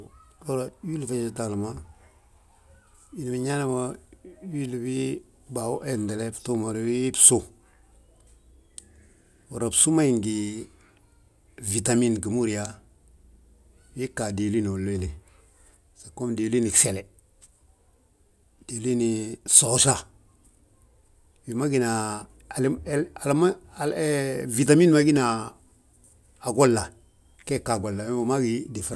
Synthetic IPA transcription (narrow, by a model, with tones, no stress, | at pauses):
lo˦ɾa˨wi˦lfe˦˨d͡ʒta˨lma˦ | i˨ni˨mi˨ɲa˦ne˦ma˦wi˦lbi˦ | ba˨u˦ʔe˨nde˨le˦ftu˦ma˨ɾi˦psu˦ | wo˨ɾa˨bsu˦ma˦i˨ŋɡi˨ | vi˨ta˨mi˦nɡi˨mu˦ɾi˨ja˦ | wi˦ka˨de˨li˦ni˨wo˨lːe˦˨le˨ | sa˨ko˦mde˨li˦ni˨kse˨le˨ | d̥e˨˦li˦ni˨so˨˦ʃa˦ | wi˨ma˦ɡi˨na˨ | la˨lm˦˨˦ | vi˨t̬a˨mi˦nma˦ɡi˦na˨ | ɡo˦lːa˨ | ke˦˨ka˨ɡo˨lːa˨we˦u˨ma˦ɡi˨˦di˨fɾ